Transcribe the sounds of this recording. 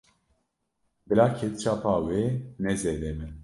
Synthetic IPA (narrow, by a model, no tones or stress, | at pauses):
bɨlaːkʰɛt̪t͡ʃʰaːpʰaːwenɛzeːd̪ɛmɨn